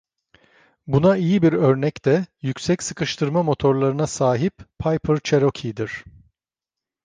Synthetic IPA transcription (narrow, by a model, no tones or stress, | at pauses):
bunaijibiɾø̞ɾnɛct̪ʰɛjycʲsɛcsɯ̥kʰɯʃt̪ʰɯɾmamo̞t̪ʰo̞ɾlˠaɾɯnasaːɦippʰajpʰɯɾt͡ʃʰeɾocʰid̪iɾ̥